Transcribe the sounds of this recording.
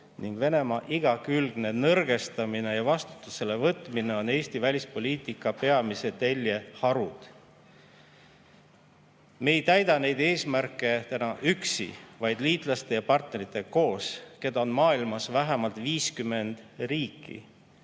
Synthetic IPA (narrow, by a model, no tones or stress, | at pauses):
niŋɡ̥ve̞ne̞mɑʔiɡ̥ɑkylɡ̥ne̞nɤrɡ̥e̞st̪ɑmine̞jɑvɑst̪u̥t̪ːˑuse̞le̞vɤt̪ːˑmine̞o̞ne̞ːst̪ivælʲispo̞lʲiːt̪ikːˑɑpe̞ɑmise̞t̪e̞lʲjehɑɾud̪̥ | me̞jt̪æjd̪̥ɑne̞jd̪e̞ːsmærkːˑe̞t̪ænɑʔyksḭvɑjd̪̥liːt̪ˑlɑst̪e̞jɑpɑrt̪ne̞ɾit̪ːˑe̞ko̞ːske̞d̪̥ɑonmɑːilmɑsvæɦæmɑlt̪ˑviːskymːe̞nd̪̥riːkːˑḭ